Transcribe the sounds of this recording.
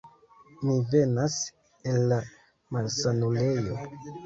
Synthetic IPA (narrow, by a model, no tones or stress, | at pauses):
mive̞nas | e̞lːa | malsanule̞jo̞